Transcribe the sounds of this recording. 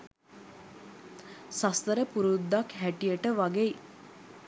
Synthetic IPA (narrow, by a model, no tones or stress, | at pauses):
sast̪əɾəpuɾud̪ːakɦæʈijəʈəʋaɡej